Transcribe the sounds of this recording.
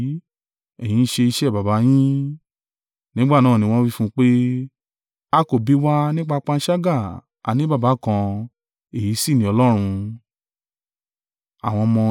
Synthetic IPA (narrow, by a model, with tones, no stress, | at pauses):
ɛ˨j̃ĩ˨˦ʃe˧i˧ʃɛ˦˨ba˨ba˨˦j̃ĩ˦ | nĩ˦ɡ͡ba˦˨nãː˦˨ĩ˧w̃ɔ̃˦wi˦fũ˦k͡pe˦ | a˧ko˦˨bi˨˦wa˦nĩ˦k͡pa˧k͡pã˧n̩˦ʃa˦ɡa˦˨ | a̰˨nĩ˦ba˦˨ba˨˦kã˧ | e˨ji˨˦si˦˨nĩ˨˦ɔ˧lɔ˦ɾ̃ũ˧ | a̰˨w̃ɔ̃˧mɔ̃˧